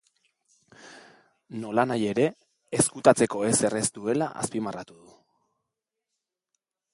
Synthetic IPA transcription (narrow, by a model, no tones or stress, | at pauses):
no̞lanaje̞ɾe̞ː | skut̪at͡se̞ko̞e̞se̞rest̪ue̞laʔa̰spimarat̪uðu